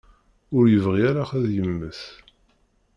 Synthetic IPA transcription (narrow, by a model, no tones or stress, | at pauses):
ʊɾjəvʁiaɾaχæðjəmːəθ